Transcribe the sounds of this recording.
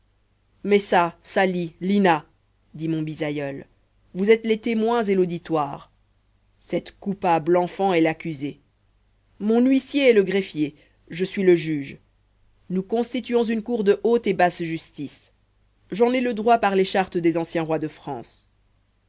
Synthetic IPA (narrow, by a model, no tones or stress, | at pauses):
mɛsasalilina | d̪imɔ̃bizajœl | vuzɛt̪let̪emwɛ̃zelod̪it̪waːʁ | sɛt̪kupablɑ̃fɑ̃ɛlakʲyze | mɔ̃nɥisjeɛləɡʁefje | ʒəsɥiləʒyːʒ | nukɔ̃st̪it̪yɔ̃zynkuʁd̪əʔot̪ebasʒyst̪is | ʒɑ̃nɛləd̪ʁwapaʁleʃaʁt̪əd̪ezɑ̃sjɛ̃ʁwad̪əfχɑ̰̃ːs